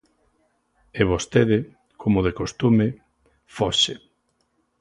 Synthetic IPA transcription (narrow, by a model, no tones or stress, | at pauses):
eβost̪eðɪ | kʰomoðekost̪umɪ | foʃe